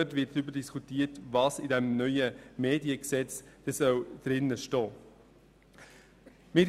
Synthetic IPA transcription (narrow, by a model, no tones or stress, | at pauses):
œtvɪtybədiskʰutiːətvɑːsidɛmnœʏəmeːdiəksɛt͡sd̥ɛsœwd̥ɾɪnːəʃtɔː | mɪɾ